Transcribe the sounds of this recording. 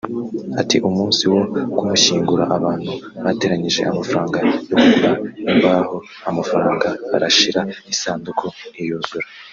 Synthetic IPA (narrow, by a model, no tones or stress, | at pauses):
atiʔumuːnsiwo̞kumuʃiːŋɡuɾa̰ʔaβaːn̥huβate̞ːɾaɲiʒe̞̰ʔamafɾaːŋɡajokuuβaimbaho̞ | amafaɾaːŋɡaa̰ɾaʃiɾaisaːndukʰoijuːzuɾa